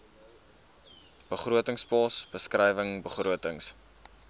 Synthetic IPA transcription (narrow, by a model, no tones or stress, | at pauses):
b̥əχruətəŋspɑːsb̥əskrɛjvəŋbəχruətəŋs